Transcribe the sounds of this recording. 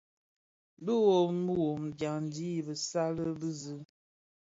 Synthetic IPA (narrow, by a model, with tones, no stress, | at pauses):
bə˦wo˨mə˦wo˨mɡja˨ŋn˨di˦˨bə˨sa˦lə˦bə˦zə˦